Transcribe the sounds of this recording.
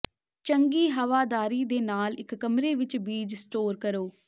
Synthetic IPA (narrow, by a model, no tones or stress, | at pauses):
t͡ʃəŋɡiːɦəʋaːd̪aːɾiːd̪eːnaːlɪkːəmɾeːʋɪt͡ʃbiːd͡ʒsʈoːɾkəɾoː